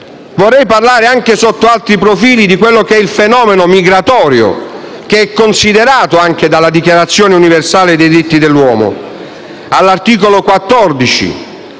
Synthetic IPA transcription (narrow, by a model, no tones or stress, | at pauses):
vorːɛjparlaːɾeaŋkesot̪ːoalt̪ɾipɾofiːlid̪ikwelːokɛilfenɔːmenomiɡɾat̪ɔːɾjo̰ | keɛkːonsid̪eɾaːt̪oaŋk̟ed̪alad̪ikjaɾat̪sːjoːneuniversaːled̪ejd̪ɾit̪ːid̪elːwɔːmo̰ | alːart̪iːkolokwat̪ːɔrd̪it͡ʃḭ